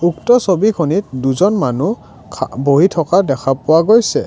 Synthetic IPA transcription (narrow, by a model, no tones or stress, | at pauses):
uktɔsobikʰonit̚duzɔnmanu | boɦitʰɔkadɛkʰapʊwaɡojsɛ